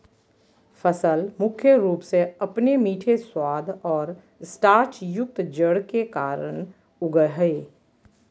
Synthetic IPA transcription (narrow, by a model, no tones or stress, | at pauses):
fəsəlmʊkʰjəɾuːpseɐpnemiːʈʰeswaːd̪ʱɔːɾ | sʈaːɾt͡ʃjʊk̚t̪d͡ʒəɽkekaːɾəɳ̃ | ʊɡəɦeː